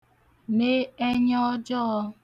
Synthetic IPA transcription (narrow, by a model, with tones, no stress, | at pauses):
me˦e˦ɲɔ˦d͡ʒɔ˦ɔ˧